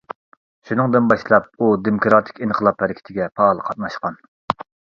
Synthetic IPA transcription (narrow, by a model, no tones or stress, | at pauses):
ʃunɨŋd̪ɨnbɑʃlˠɑp̚ud̪emokɾɑt̪ʰɪ̥kʲinʰəlˠɑphɛɾɪkʲʰɪ̥t̪ʰɪɡʲɛpʰɑːlˠəqʰɑt̪̚mɑʃqɑn